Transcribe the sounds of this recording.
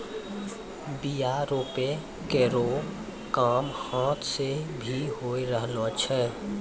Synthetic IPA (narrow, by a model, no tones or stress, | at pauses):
bijaɾoːpe | keɾo | kaːmhãːt̪ʰsebʱiɦoiɾəɦlot͡ʃʰɛ